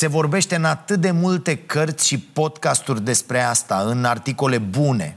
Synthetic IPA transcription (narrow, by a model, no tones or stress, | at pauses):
se̞vo̞rbe̞ʃt̪e̞ɨnat̪ɨt̪̚d̪e̞mult̪e̞kərt̪sʲʃipo̞d̪kast̪urʲd̪e̞spɾe̞ast̪aɨnart̪iko̞le̞bune̞̰